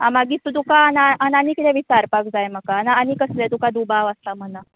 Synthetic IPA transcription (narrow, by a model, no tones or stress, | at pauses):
ãmaɡiːt̪ːud̪ukaanaʔananikit̪ʰɛ̃ʋisaɾpakd͡zajm̤akaːnaanikəslet̪ukad̪ubaʋəst̪am̤əna